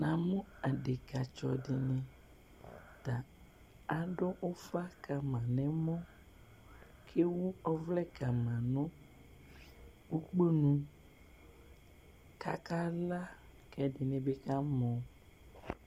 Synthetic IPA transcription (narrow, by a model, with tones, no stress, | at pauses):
nã˨mũ˦a˨ɖe˨ka˨t͡ʃɔ˨ɖe˨nɛ̃˨ | t̪a˨ | a˨ɖɔ˦o˦fa˦ka˨mã˨nɛ̃˨mɔ̃˦ | kʰe˦wu˦ɔ˦vlɛ˦ka˨mã˨nɔ̃˦ | wu˦k͡pe˦nũ˨ | ka˦ka˦la˦kɛ˨ɖe˨nɛ̃˨be˦ka˦mɔ̃˨